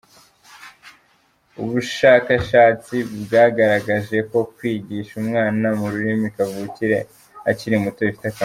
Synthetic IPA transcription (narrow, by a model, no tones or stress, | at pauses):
uβuʃaːkaʃaːt͡sibɡaːɡaɾaɡaʒe̞ko̞kwiːɟiːʃumŋaːnamuɾuɾimikavuːciɾe̞ | aciɾimutoifi̥taka